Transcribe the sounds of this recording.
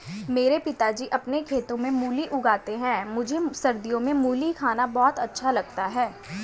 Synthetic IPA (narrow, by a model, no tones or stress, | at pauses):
meːɾepɪt̪ad͡ʒiːʔɐpnekʰeːt̪õmẽmuːliʔʊɡaːt̪eɦɛ̃ːmʊd͡ʒʱesɐɾd̪ijõmẽmuːlikʰaːnabɔːt̪ɐtːʃʰalɐɡt̪aɦɛː